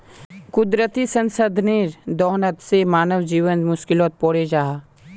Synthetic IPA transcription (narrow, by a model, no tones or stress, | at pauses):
kʊd̪ɾət̪isənsəd̪ʱniɾd̪ɔːnət̪semaːnəwd͡ʒiːʋənmʊʃkɪloːt̪̚poːɽed͡ʒaːa